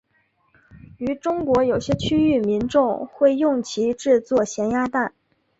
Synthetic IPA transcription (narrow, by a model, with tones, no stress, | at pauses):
y˧˥ʈ͡ʂʊ˥ŋkwɔ˧˥jo˨˩ʊɕjɛ˥t͡ɕʰy˥y˥˩mi˧˥nʈ͡ʂʊ˥˧ŋxwe˥˧ɪjʊ˥˩ŋt͡ɕʰi˧˥ʈ͡ʂɻ̩˥˧t͡swɔ˥˩ɕjɛ˧˥nja˥t̪a˥˩n